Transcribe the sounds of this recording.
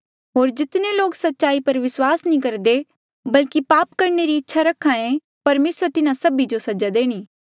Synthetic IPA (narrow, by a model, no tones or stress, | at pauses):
ɦoːɾd͡ʒɪt̪neloːksɐtːʃaːipɐɾʋɪswaːsnĩkɐɾd̪e | bɐlkipaːpkɐɾneɾiɪtːʃʰaɾɐkʰːãẽ | pɐɾmeːsəɾt̪ɪnãsɐbid͡ʒosɐd͡ʒad̪eːɽ̃iː